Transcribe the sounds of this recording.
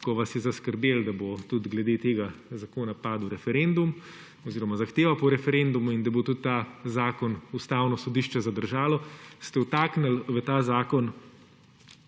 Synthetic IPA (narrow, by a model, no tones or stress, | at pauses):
kɔʋasjɛzaskəɾbeːld̪abot̪ud̪ɡlɛd̪eːt̪eːɡazakoːnapaːd̪wɾɛfɛɾend̪um | ɔziːɾɔmazaxt̪eːʋapɔɾɛfɛɾend̪umuind̪abot̪ut̪ːazaːkɔnust̪aːwnɔsɔd̪iʃt͡ʃɛzad̪əɾʒaːlɔst̪ɛwt̪aːknəlʋət̪aːzaːkɔn